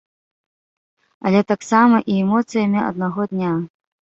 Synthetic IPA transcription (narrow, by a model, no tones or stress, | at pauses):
ɐ̰lʲɛt̪aksamɐʔiɛmɔt̪sɨjɐmʲiɐ̰d̪̚naɣɔd̪nʲa